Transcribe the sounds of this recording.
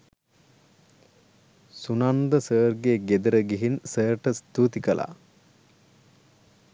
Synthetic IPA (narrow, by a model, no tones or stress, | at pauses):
sunand̪əsəːɾɡeɡed̪əɾəɡiɦinsəːʈəst̪uːt̪ikəlʔa̰ː